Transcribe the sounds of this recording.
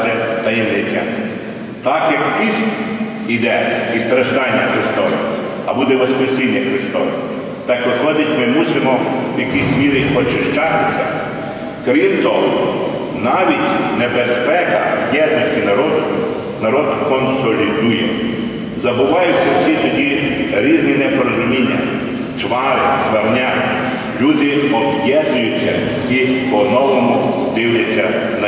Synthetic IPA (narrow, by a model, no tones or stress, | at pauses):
ʒɛt̪ɐind̪et̪ʲɛ̰n | t̪ɑkjɐkpisʲ | id̪ɛist̪ɾɐʒd̪ɑnʲːɐxɾɪst̪ɔʋɪ̰ | ɐbud̪ɛʋɔspɾɪsʲinʲːɐxɾɪst̪ɔʋɪ̰ | t̪ɑkʋɪxlˠɔd̪ʲɐtʲmɪmusɪmɔwjɐkisʲmʲiɾɪɔt͡ʃɪʃt͡ʃɑt̪ɪsʲɐ̰ | kɾimt̪ɔɦɔ | nɑʋʲitʲnebespɛkɐ̰bjɛd̪̚nɔsʲtʲinɐɾɔd̪ʊ | nɐɾɔd̪kɔnsɔlʲid̪ujɛ | zɐbʊʋɑjʊsʲːɐwsʲit̪ɔdʲiɾʲiznʲinɛpeɾɔzʊmʲinʲːɐ̰ | t͡ʃʋɑɾɪsʋɐrnʲa | lʲud̪ɪɔbjɛd̪nʲʊjʊt͡sʲːɐ̰ | ipɔnɔwɔmʊd̪ɪwjɐt͡sʲːɐ | nɐ